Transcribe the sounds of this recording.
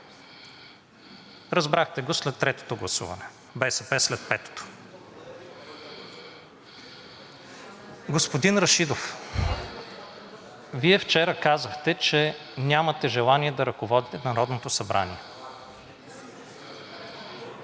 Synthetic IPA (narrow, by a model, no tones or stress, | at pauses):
ɾɐzbɾaxt̪ɛɡoslɛt̪ːɾɛt̪o̥t̪oɡlˠɐsṵvə̰nɛ | bɛsɛpɛslɛt̪̚pɛt̪o̥t̪o̥ | ɡospod̪inɾɐʃid̪of | viɛft͡ʃɛɾəkazəxt̪ɛt͡ʃɛ | nʲamɐt̪ɛʒɛlˠaniɛd̪ɐɾɐkovɔd̪it̪ɛnɐɾɔd̪not̪osɐbɾa̰niɛ